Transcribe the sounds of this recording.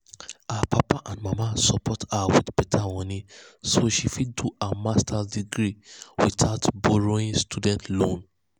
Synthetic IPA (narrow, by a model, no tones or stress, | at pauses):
aapʰapaʔãndmamasɔpɔtawidbɛtʰawɔ̃nĩsoʃifiduamastadiɡɾiwitʰaʊtbɔɹoĩnstudɛ̃ntʰlõn